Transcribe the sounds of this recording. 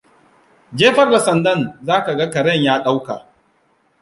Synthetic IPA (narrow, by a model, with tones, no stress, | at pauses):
d͡ʒeː˦ɸɐ˨rda˨sɐ˨ndɐ˦˨nzaː˦ka˨ɡa˦kɐ˨ɾɛ˦˨ɲjaː˦ɗa˦wka˨ʔ